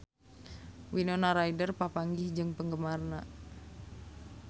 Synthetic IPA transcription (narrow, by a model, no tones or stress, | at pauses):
winonaɾaidərpapaŋɡɪhd͡ʒɨŋpəŋɡəmarna